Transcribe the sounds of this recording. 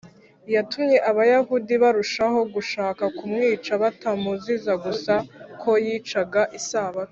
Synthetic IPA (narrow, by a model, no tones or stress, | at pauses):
jatumɲe̞ʔaβajaɦudiβaɾuʃaɦo̞ɡuʃaːkakumŋiːt͡ʃaβatamuzizaɡusakʰo̞jiːt͡ʃaɡaʔisaːβa